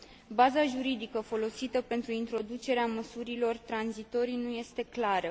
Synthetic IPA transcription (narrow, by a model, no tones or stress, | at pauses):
bazaʒuɾid̪ikəfo̞lo̞sit̪əpe̞nt̪ɾuint̪ɾo̞d̪ut͡ʃe̞ɾeaməsuɾilo̞rt̪ɾanzit̪o̞ɾinuje̞st̪e̞klaɾə